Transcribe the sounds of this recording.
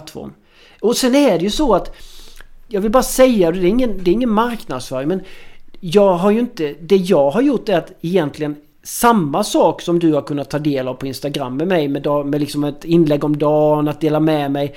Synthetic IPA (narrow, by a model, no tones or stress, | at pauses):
t̪ːfɔ̰ɾm | ɔsɛnæɖɛjɵsɔat̪ | jɑːɡvɪlbɑːɾasɛjːad̪ɛd̪ɛːɾɪŋːənd̪ɛɾɪŋːənmaɾknad̪sfœːɾɪŋmɛnjɑːɡɦaɾjɵɪnt̪əd̪ɛjɑːɡɦaɾjʊʈːɛɾat̪ɛjɛnt̪lɪɡən | samːasɑːksɔmd̪ɵhaɾkʰɵnːat̪ʰːɑːd̪eːlavpʰɔɪnst̪aɡɾa̰mːɛmɛjmɛd̪ɑmɛlɪksɔmɛt̪ɪnːlɛɡːɔmd̪ɑːnat̪̚d̪eːlamɛmɛj